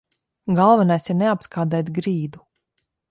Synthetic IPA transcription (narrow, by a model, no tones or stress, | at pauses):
ɡalˠvɛnajsiɾneapskʰaːd̪ɛjt̪ɡɾiːd̪u